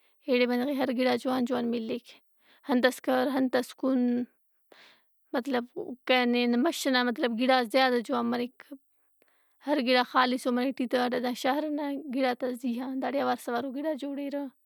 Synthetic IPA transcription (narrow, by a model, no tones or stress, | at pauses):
eːɽebɐnd̪ɣeːɦɐɾɡiɽaːd͡ʒuwaːnd͡ʒuwaːnmilːekʰ | hɐnt̪ɐskɐɾɦɐnt̪ɐskun | mɐt̪lɐbkenenmɐʃɐnamɐt̪lɐbɡiɽaːzjaːd̪ad͡ʒuwaːnmɐɾek | hɐɾɡiɽaːxaːlisoːmɐɾek̚ʈit̪aʈɐd̪ãːʃaɦɾnaɡiɽaːt̪ɐsd̪iːɦãːd̪aːɽjaːʋaːɾsɐʋaːɾoɡiɽaːd͡ʒoːɽeːɾaː